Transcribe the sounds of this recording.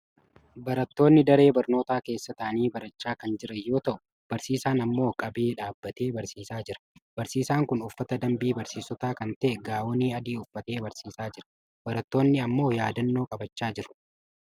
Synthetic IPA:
bɐɾɐt̪ːo̞ːnːɪd̪ɐɾe̞ːbɐɾno̞ːt̪aːke̞ːsːɐt̪aːniːbɐɾɐt͡ʃːaːkɐnd͡ʒɪɾɐjːo̞ːt̪ɐʔʊ | b̥ɐɾsiːsaːnɐmːo̞ːkʼɐbeːᶑaːbːɐt̪e̞ːbɐɾsiːsaːd͡ʒɪɾɐ̥b̥ɐɾsiːsaːŋkʊnʊfːɐt̪ɐd̪ɐmbiːbɐɾsiːsɔt̪aːkɐnt̪ɐʔɛɡaːwɔniːɐd̪iːʊfːɐt̪e̞ːbɐɾsiːsaːd͡ʒɪɾɐ̥ | bɐɾɐt̪ːo̞ːnːɪɐmːo̞ːjaːd̪ɐnːoːkʼɐbɐt͡ʃːaːd͡ʒɪɾʊ̥

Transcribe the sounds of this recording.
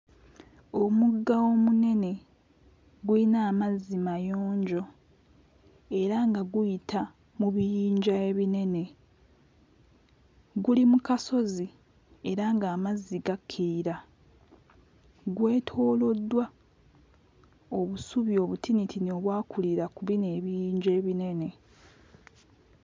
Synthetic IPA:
o̞muɡːao̞mune̞ne̞ | ɡwuinaːmazːimajo̞ːɲɟo̞ | e̞ɾaŋɡaɡujitʰa | muβijiːɲɟae̞βine̞ne̞ | ɡulimukaso̞zi | e̞ɾaŋɡaːmazːiɡakʰːiɾiɾa | ɡwe̞ːtʰo̞ːlo̞dːwa | o̞βusuβjo̞ːβutʰinitʰino̞ːβwaːkuliɾakuβine̞ːβijiːɲɟeːβine̞ne̞

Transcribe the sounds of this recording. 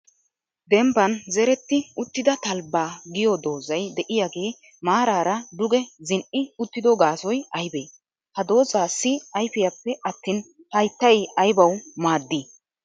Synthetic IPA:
d̪ɛmbɐnzɛɾɛt̪ːɪʊt̪ːɪd̪ɐt̪ɐlbːaːɡɪjɔd̪o̞ːzɐjd̪ɛʔɪjaːɡe̞ː | maːɾaːɾɐd̪ʊɡɛzɪnʔɪʊt̪ːɪd̪ɔɡaːsɔjɐjbeː | hɐd̪o̞ːzaːsːɪɐjfɪjɐpːɛɐt̪ːiːn | hɐjt̪ːɐjɐjbɐwmaːd̪ːiː

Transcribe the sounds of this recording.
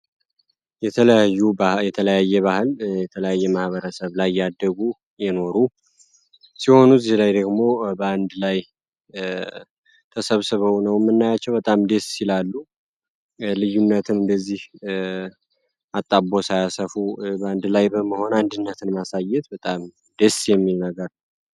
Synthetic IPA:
jɛt̪ʰələjajːujɛt̪ʰələjajːɛβahɨljɛt̪ʰələjajːɛmahβəɾəsəβlajjːad̪ːəɡu | jɛno̞ɾu | siho̞nuzihlajd̪əɡmo̞bəand̪laj | t̪ʰəsəβsɨβəwnəwmːɨnːajat͡ʃːɛwbət̪ʼamd̪e̞sːilalːu | lɨjːunːət̪ʰɨnɨnd̪əzːih | at̪ʼːabo̞sajasəfubəand̪lajbəməho̞nand̪ɨnːət̪ʰɨnmasajɛt̪bət̪ʼam | d̪e̞sjɛmːilnəɡəɾ

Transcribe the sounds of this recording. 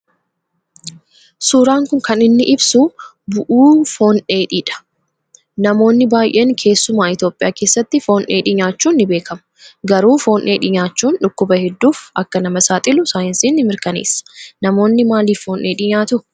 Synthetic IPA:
suːɾaːŋkʊŋkɐnɪnːɪʔɪbsʊ | bʊʔuːfo̞ːnʔe̞ːᶑiːᶑɐ̥ | nɐmo̞ːnːɪbaːjʔe̞ːnkʰe̞ːsːʊmaːɪt̪jo̞ːpʼːɪjaːke̞ːsːɐt̪ːɪfo̞ːnʔeːᶑɪɲaːt͡ʃːuːnːɪbe̞ːkʰɐmɐ̥ | ɡɐɾuːfo̞ːnʔeːᶑɪɲaːt͡ʃːuːnᶑʊkːʊbɐhɛd̪ːuːfɐkːɐnɐmɐsaːt̪ʼɪlʊsaːjɐnsiːnːɪmɪɾkɐnḛːsːɐ̥nɐmo̞ːnːɪmaːliːfːo̞ːnʔeːᶑɪɲaːt̪ʊ

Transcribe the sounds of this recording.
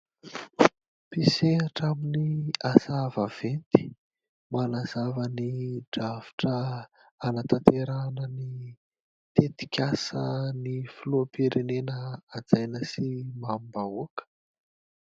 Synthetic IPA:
piseaʈ͡ʂaminiasavav̥ent̪i̥ | manazavəniɖ͡ʐavi̥ʈ͡ʂə | anat̪at̪eɾanəni | t̪et̪i̥kʲasənifuluapiɾenenəad͡zajnəsimammbaukə̥

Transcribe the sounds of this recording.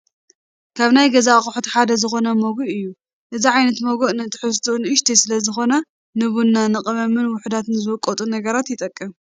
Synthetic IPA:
kʰaβnajɡɐzaχʼʊħt̪iħad̪ɐzɨxo̞nɐmoɡuʔɨjːu | ʔɨziʕajnɐt̪moɡoʔnɨt̪ʰɨ̥ħɨst̪ʰunɨʔɨʃt̪ʰisɨlɐzɨxo̞nɐ | nɨβunːanɨqʼɐβɐmːɨnwʊħd̪at̪ɨnzɨβɨkʼːot̪ʼunɐɡɐɾat̪jɪt̪ʼɐkʼːɨm

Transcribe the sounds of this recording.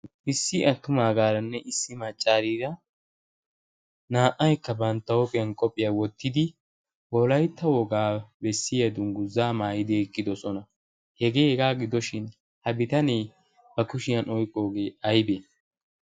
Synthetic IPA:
ʔɪsːɪʔɐt̪ːʊmaːɡaːɾɐnːɛʔɪsːɪmɐt͡ʃʼːaːɾiːɾɐ | naːʔɐjkːɐbɐnt̪ːɐwɔpʼɪjɐnkʼɔpʼːɪjɐwɔt̪ʰːɪd̪ɪ | wɔlɐjt̪ːɐwɔɡaːbɛsːɪjɐd̪ʊŋɡʊzːaːmaːjɪd̪ɪɛkʼːɪd̪ɔsɔnɐ | hɛɡeːhɛɡaːɡɪd̪ɔʃɪn | hɐbɪt̪ɐneː | bɐkʊʃɪjɐnɔjkʼːo̞ːɡeːɐjbe

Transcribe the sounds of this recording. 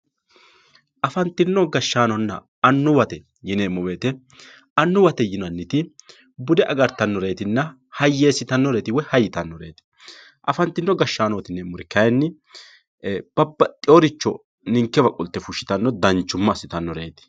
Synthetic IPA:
ʔɐfɐnt̪ːɪnːɔɡɐʃːaːnɔnːɐ̰ | ɐnːʊwɐt̪ɛ | jɪneːmɔweːt̪ɛ | ɐnːʊwɐt̪ɛjɪnɐnːɪt̪ɪ | bʊd̪ɛʔɐɡɐɾt̪ɐnːɔɾe̞ːt̪ɪnːɐ | hɐjːeːsɪt̪ɐnːɔɾeːt̪ɪwɔhɐjɪt̪ɐnːɔɾeːt̪ɪ̥ | ʔɐfɐnt̪ːɪnːɔɡɐʃːaːnɔt̪ɪnːemːʊɾɛkɐjnːɪ | b̥ɐbːɐt̪ʼɪoɾɪt͡ʃːɔ | nɪŋkːɛbɐkʼʊlt̪ːɛfʊʃːɪ̥t̪ɐnːɔd̪ɐnt͡ʃːʊmːɐsɪt̪ɐnːɔɾḛːt̪ɪ̥

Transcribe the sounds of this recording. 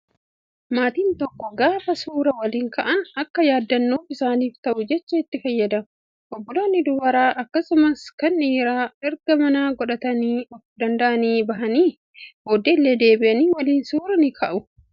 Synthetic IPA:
maːt̪iːnt̪ɔkːɔɡaːfɐsuːɾɐwɐliːŋkɐʔɐnɐkːɐjaːd̪ːɐnːoːfɪsaːniːft̪ɐʔʊd͡ʒɛt͡ʃːɐɪt̪ːɪfɐjːɐd̪ɐ | ʔɔbːɔloːnːɪd̪ʊwɐɾaːʔɐkːɐsʊmɐskɐnːiːɾaːɛɾɡɐmɐnaːɡɔᶑɐt̪ɐniːɔfd̪ɐnd̪ɐʔɐniːbɐɦɐniː | boːd̪eːlːeːd̪e̞ːbɪʔɐniːwɐliːnsuːɾɐnɪkʰɐʔʊ

